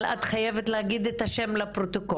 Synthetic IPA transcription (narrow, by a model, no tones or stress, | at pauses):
la̰t̪χajevet̪lehaɡid̪et̪haʃemlapʁot̪oko